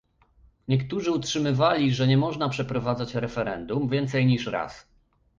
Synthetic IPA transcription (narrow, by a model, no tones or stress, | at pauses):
ɲɛkt̪uʐɘutʂɘmɘvalʲiʐɛɲɛmɔʐnapʂɛpɾɔvad̪zat͡ɕɾɛfɛɾɛ̰nd̪umvʲjɛnt̪sɛjɲiʂɾa̰s